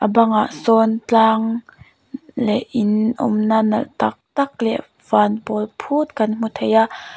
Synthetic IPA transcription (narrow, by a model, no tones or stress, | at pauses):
ʔəbɐŋaʔsɔnt͡ɬaːŋ | lɛʔɪnʔṵmnanɐlt̪ɐk̚t̪ɐk̚lɛ̰ | v̥aːnpɔlpʰut̪̚kɐnm̥ut̪ʰejaʔ